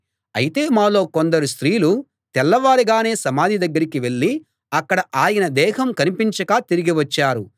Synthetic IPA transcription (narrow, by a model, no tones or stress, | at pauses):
ɐjit̪e̞ːmaːlo̞ːkond̪ɐɾust̪ɾiːlu | t̪ɛlːɐʋaːɾiɡaːne̞ːsɐmaːd̪ʱid̪ɐɡːɐɾikiʋe̞ɭːi | ɐkːɐɽɐʔaːjɐnɐd̪ɛːɦɐmkɐnipiɲt͡ʃɐkaːt̪iɾiɡiʋɐt͡ʃːaːɾu